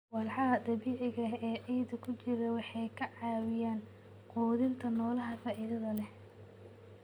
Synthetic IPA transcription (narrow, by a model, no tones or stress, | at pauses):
wɑlħɑɐd̪ɐβiːʕɪɣɐɛːʔɛjd̪ɐkʰʊt͡ʃɪɾɐwɑħɑjkʰɐʕɑːwɪjaːn | quːðɪnt̪ʰɐnɔːlɐɦɐfaːʔiːðɐðɐlɛh